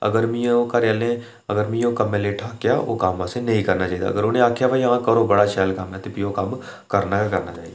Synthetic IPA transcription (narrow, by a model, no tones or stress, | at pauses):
ə̰ɡəɾmĩõkəɾjaːlẽ | əɡəɾmĩːõkəmẽleːʈʰaːkjaʔo̰ːkaːmʋãsenɐɦĩkəɾnaːt͡ʃaːiːd̪a̰ːə̰ɡəɾoːnẽaːkʰjaʋaiãkəɾobəɽaʃɛːlkəmɦɛ̃t̪opiokɐm | kəɾnakəɾnaːt͡ʃaːɦid̪aː